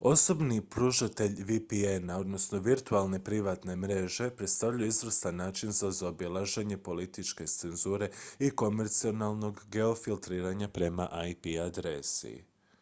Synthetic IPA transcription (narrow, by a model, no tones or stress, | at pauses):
o̞so̞bnipɾuʃat̪e̞ʎʋipienao̞d̪no̞sno̞ʋiɾt̪ualˠne̞pɾiʋaːt̪ne̞mɾe̞ʒe̞pɾe̞t̪st̪avʎujuizɾəst̪anːaːt͡ʃinzazaobilˠaʒe̞ɲe̞polit̪it͡ʃke̞t̪se̞nzuːɾe̞iko̞me̞ɾt̪sio̞nalˠno̞ɡːe̞o̞filˠt̪ɾiːɾaɲapɾe̞ma̰ʔajpiad̪ɾe̞sḭ